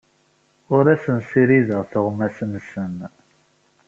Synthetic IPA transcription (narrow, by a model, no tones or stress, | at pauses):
ʊɾæsənsiɾiðəʁθəʁmæsənsən